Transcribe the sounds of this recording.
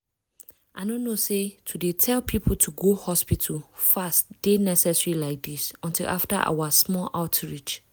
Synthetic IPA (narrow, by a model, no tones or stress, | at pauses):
ʔaɪnõnosetʰudetʰɛlpʰipʰl̩tʰuɡohɔspitʰəlfastd̥enɛsɛsɹilaɪk̚disɔ̃ntʰilʔa̰fta̰ʔa̰wasmɔlʔaʊtɹit͡ʃ